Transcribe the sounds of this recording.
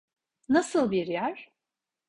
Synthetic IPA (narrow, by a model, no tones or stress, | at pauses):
nasɯlˠbiɾjæɾ̥